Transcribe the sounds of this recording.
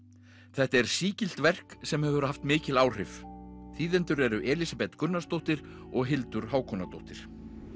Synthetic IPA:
θɛht̪ɛɾ̥siːcɪl̥t̪vɛr̥ksɛmhɛvɾʏhaft̪mɪːcɪlaːwr̥ɪvθiːðɛnt̪ʏɾɛɾʏʔɛːlisapɛt̪kʏnːast̪owht̪ɪɾ | ɔɣɦɪlt̪ʏɾ̥ɦaːwkʰɔnat̪owht̪ɪɾ̥

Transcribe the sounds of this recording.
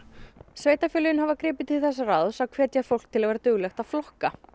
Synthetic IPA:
sveːjt̪afjʏːlʏjɪnhavakɾɪːpɪ̥t̪ʰɪlθɛs̬ːaraðsawkʰv̥ɛːt̪jafowl̥kt̪ʰɪlavɛːɾat̪ʏɣlɛxt̪að̥flɔhka

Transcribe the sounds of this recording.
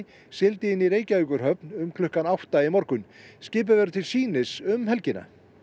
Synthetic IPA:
sɪlt̪ɪɪnːiɾeːjcaikʏɾ̥ɦœpnʏmkʰlʏhkanawht̪aɪmɔɾkʏnscɪːp̬ʏvɛɾt̪ʰɪlsiːnɪsʏmɦɛlcɪna̰

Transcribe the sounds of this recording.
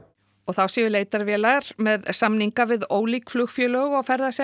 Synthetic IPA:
ɔɣθawsiːʏleːjt̪aɾvjɛːlaɾmɛðsamniŋkavɪðoːwliːkflʏxfjœːlœːɣawfɛɾðasɛ

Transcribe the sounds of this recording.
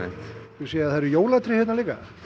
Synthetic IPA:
ʏseːjaðθaɾʏjoːwlat̪ʰɾɪhɪt̪naliːka̰

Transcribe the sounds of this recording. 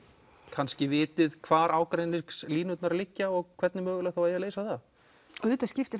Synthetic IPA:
kʰanscɪvɪːt̪ɪðkʰvaːɾaːwkɾejnɪ̥ksliːnʏt̪naɾalɪcːaɔɣkʰvɛt̪nɪmœːɣʏlɛɣθawvajɛaleːjsaθa | ʏːt̪ascɪft̪ɪɾ

